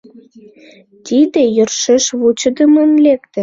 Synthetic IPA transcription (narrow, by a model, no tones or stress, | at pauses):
t̪id̪ejørʃeʃβut͡ɕə̆d̪əmənlekt̪ə̆